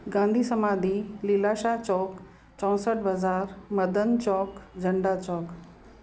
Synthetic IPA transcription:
ɡãːnd̪ʱisəmaːd̪ʱililaʃat͡ʃɔːk | t͡ɕɔ̃ːsəʈbʱəzaːɾmɐd̪ʱənt͡ʃɔːkd͡ʑʱəɳɖat͡ʃɔːk

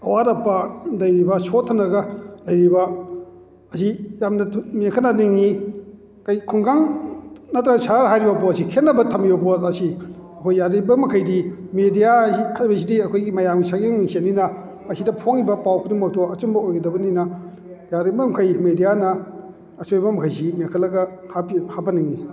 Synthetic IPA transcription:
ɐwaɾɐpːɐdɐjɾibɐsotʰːɐnɐɡɐlɐjɾibɐ | ɐzijamnɐmekʰɐnaniŋi | kɐjkʰuŋɡaŋnɐtɾɐsaɾɦajɾibɐbosikʰetnːɐbɐtʰɐmibɐboɐsi | ɐkʰojːaɾibɐmɐkʰɐjdimedijaikʰajbɐzidiɐkʰojɡimɐjamɡisʰakeŋmiŋsininɐː | sidɐpʰoŋibɐpawkʰɯnimawtʰoɐt͡ʃumbɐojɡidɐbɐninɐ | jaɾibɐmkʰɐjmedijanɐ | ɐsojbɐmɐkʰɐjzimeŋkʰɐtlɐɡɐhapihabɐniŋi

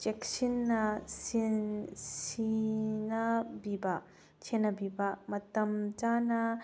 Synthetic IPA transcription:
t͡ʃeksinːɐsinsinabiba | t͡ʃʰenɐbibamɐt̪ɐmt͡ʃanɐ

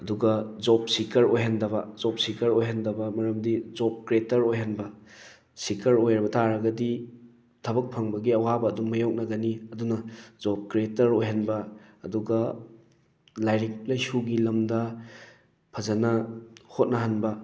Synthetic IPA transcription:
ɐduɡɐzɔp̚sikʰɐɾojɦandɐbɐzɔp̚sikɐɾojɦandɐbɐmɐɾɐmdid͡ʒɔp̚kɾetɐɾojɦanbɐ | sikʰɐɾojɾɐbɐtʰaɾɐɡɐdi | tʰɐbɐk̚pʰɐŋbɐɡiɐwabɐːdumːɐjowk̚nɐɡɐniɐdunɐzɔp̚kɾetɐɾojɦanbɐːduɡɐ | lajɾik̚lajsuɡilɐmdɐ | pʰɐzɐnɐhot̚nɐɦanbɐ

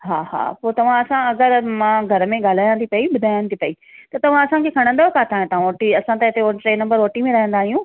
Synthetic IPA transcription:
ɦaːha̰ːpoːt̪ɐʋ̤ãɐsãɐɡəɾmãɡʱɐɾəmẽɠaːl̤aːjãnt̪ʰipɐiɓʊd̪ʱaːjə̃nt̪ʰipɐi | t̪ɐt̪ɐʋ̤ãɐsãkʰeːkʰɐɽ̃nd̪aːɦokaːt̪ʰaːɦẽt̪ɐãʋoːʈiɐsãt̪ɐɪt̪eoʈɾeːnɐ̃mbəɾʋoːʈimẽɾɐɦə̃nd̪aːɦijũ

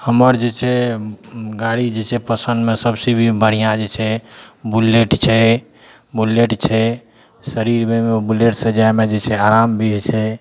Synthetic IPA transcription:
həməɾd͡ʒet͡ʃʰɛ | ɡaɽid͡ʒet͡ʃʰɛpəsənd̪mesəbsebʱibəɽ̤ijãd͡ʒet͡ʃʰɛbuleʈt͡ʃʰɛ | buleʈt͡ʃʰɛ | səɾiɾmemebuleʈsə̃d͡ʒajmed͡ʒet͡ʃʰɛaɾambʱit͡ʃʰɛ

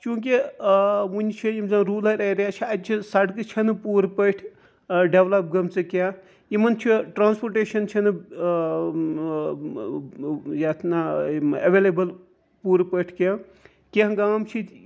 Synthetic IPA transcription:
t͡ʃũːk̬i | ʋunʲt͡ʃʰijimzãːɾuːlɐɾɐɾjaːt͡ʃʰiɐt͡ʃʰisɐɽkɨt͡ʃʰɐnɨpuːɾpəʈʰ | ɖeʋlɐp̚ɡɐmt͡sɨkʲaː | jimɐnt͡ʃʰiʈɾaːnspoɾʈeːʃɐnt͡ʃʰɐnɨ | jaːt̪ʰnaɐʋelebɐl | puːɾpəʈʰkʲaː | kʲeɦɡaːmt͡ʃʰi

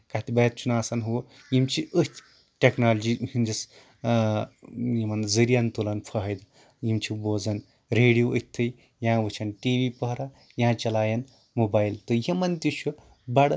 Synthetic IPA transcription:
kɐt̪ibɐjɐt̪̚t͡ʃʰunaːsɐnɦu | jimt͡ʃʰiʔət̪ | ʈʲeknaːld͡ʒihind͡ʒɐs | jimɐnzɐɾijɐnt̪ulɐnpʰɐɦɐjd̪ | jimt͡ʃʰiboːzɐn | ɾeːɽijoət̪ʰːɐj | jãːʋɨt͡ʃʰɐnʈiːʋipɐɦɾɐ | jãːt͡ʃɐlaːjɐn | mobaːjilt̪ɨjimɐnt̪it͡ʃʰu | bɐɽ

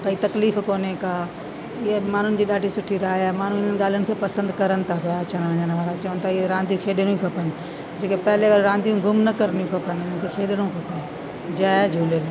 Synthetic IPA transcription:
k̪ɐit̪ɐkliːfkoːnekaː | ɪɦemaːn̤ʊnɪ̆d͡ʑiːɗaːɖʱisʊʈʰiɾaːaːmaːn̤ũɪn̤ənɪ̆ɠaːl̤iənɪ̆kʰeːpɐsə̃nd̪kɐɾənɪ̆t̪ʰapɐjat͡ɕəñʋɐ̃ɲənʋaːɾat͡ɕɐʋənɪ̆t̪ʰaɪɦeɾãːnd̪ijũkʰeːɗɪɽ̃ũkʰɐpɐnɪ | d͡ʑeːkepɐɦɪleʋɐɾɾãːnd̪ijũɡʱʊmnɐkɐɾnijũkʰɐpɐnɪɪnənɪkʰeːkʰeːɗɽ̃ũkʰɐpɐnɪ | d͡ʑaːd͡ʑʱuːle

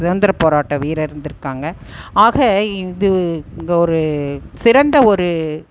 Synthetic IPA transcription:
ɪʋɐnd̪ɪɾɐpoːɾaːʈːɐʋiːɾɐɪɾɯnd̪ɪɾɯkːaːŋɡɐaːɣɐɪðɯŋɡɐɔɾɯsɪɾɐnd̪ɐɔɾɯ

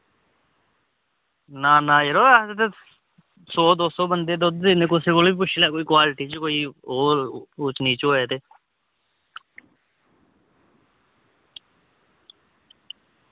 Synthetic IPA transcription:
naːnaːjeɾoːaːt̪et̪e | soːd̪oːsoːbənd̪eːd̪od̪enẽkosekolbipʊt͡ʃʰlaːkoːiːkwaːlɪʈiːt͡ʃkoːiːoːɾut͡ʃniːt͡ʃoːeːt̪eː

